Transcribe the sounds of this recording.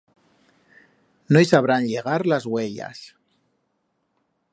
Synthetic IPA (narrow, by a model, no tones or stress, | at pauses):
nojsaβ̞ɾanʎeɣ̞aɾlazɣweʎa̰s